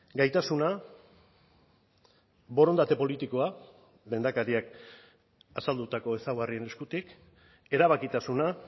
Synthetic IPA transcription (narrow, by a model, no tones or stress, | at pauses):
ɡajt̪asuna | βo̞ɾo̞nd̪at̪e̞po̞lit̪iko̞a | le̞nd̪akaɾiak | asald̪ut̪ako̞e̞sawɣarie̞ne̞skut̪ik | e̞ɾaβ̞akit̪asuna